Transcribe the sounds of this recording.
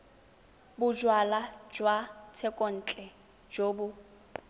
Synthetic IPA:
bʊd͡ʒwalad͡ʒwatʰɛkʼɔn̩ːt͡ɬʼɛ | d͡ʒobʊ

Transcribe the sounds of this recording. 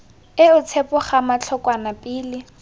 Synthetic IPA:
ɪʊt͡sʰepʊχamat͡ɬʰɔkʼwanapʼiːlɪ

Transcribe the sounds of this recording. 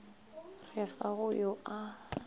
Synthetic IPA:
rɛɣaɣʊjɔʔa

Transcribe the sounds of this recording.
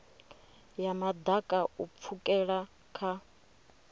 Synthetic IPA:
jamad̪akʼaup̪fʰukʼɛɺa | kʰa

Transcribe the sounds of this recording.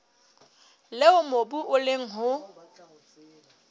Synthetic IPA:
lɪʊmobuʔʊlɪŋ̩ɦʊ

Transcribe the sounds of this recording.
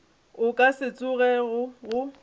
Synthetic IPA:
ʊkʼasɪt͡sʼʊɣɛɣʊɣʊ

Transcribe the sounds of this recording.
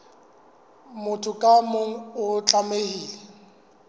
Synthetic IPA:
mʊtʰʊkʼamoŋ̩ʊt͡ɬʼamehiːlɛ

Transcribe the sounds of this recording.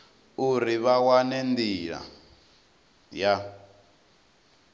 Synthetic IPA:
uɾiβawanɛnd̪iɺa̰ | ja

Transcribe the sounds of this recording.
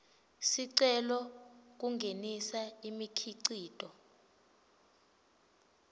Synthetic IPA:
siǀɛlɔk̬uŋɡʱenisaimikʰiǀiːtʼɔ

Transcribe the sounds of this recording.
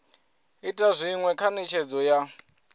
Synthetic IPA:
itʼaʐʷiŋwɛkʰanit͡ʃʰɛd͡zɔja

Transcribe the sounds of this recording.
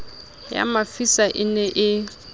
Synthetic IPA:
ja̰mafisaʔɪnɛʔɪ

